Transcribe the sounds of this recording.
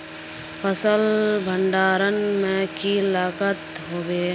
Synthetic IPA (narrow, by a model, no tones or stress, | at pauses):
fəsəlbʱəɳɖaːɾənmẽkilaːkət̪ | ɦoːʋeː